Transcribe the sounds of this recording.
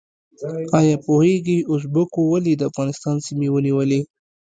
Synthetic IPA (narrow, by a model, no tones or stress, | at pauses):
ɑjɑpoheɡiʊs̬bəkowalid̪əafɣɑnɪst̪ɑnsimiwəniwəli